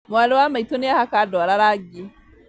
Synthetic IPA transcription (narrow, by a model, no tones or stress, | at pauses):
mʊalwaːmatunjahakadoːɾaɾaːɡʲiː